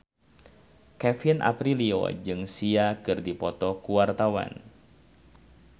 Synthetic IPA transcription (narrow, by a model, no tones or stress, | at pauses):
kɛfinʔa̰pɾilio̰d͡ʒɨŋsiakɨrdipɔt̪ɔkuwart̪awa̰n